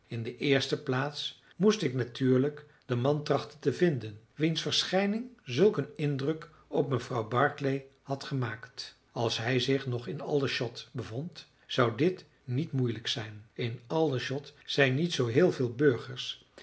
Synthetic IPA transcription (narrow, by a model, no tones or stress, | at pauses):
ɪndəʔɪːɹstəplaːts | mustɪknatyːɹlək | d̥əmɑntrɑχtəntəvɪndən | ʋinsfəɹsχɛjnɪŋzɵlˠkənɪndrɵk | ɔp̚məvrɑwbɑɹklej | hɑtχəmaːkt | ɑlˠsɦɛjzɪχnɔχɪnɑlˠəʃɔtbəvɔnt | sʌwdɪt | nitmujləksɛjnɪnɑlˠəʃɔtsɛjnːitsowɦɪːlˠvɪːlˠbøɹχəɹs